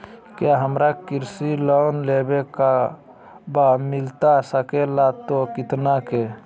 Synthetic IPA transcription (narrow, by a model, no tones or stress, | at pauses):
kjaɦəmɾakiɾsilɔnlebeka | bamilt̪asəkelat̪okit̪nake